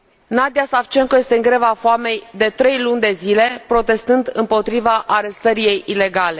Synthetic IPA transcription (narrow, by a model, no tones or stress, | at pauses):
nad̪iasaft͡ʃe̞ŋkoje̞st̪e̞ɨŋɡɾe̞vafoame̞jd̪e̞t̪ɾe̞jlunʲd̪e̞zile̞pɾo̞t̪e̞st̪ɨnd̪ɨmpo̞t̪ɾivaʔːɾe̞st̪əɾije̞jile̞ɡale̞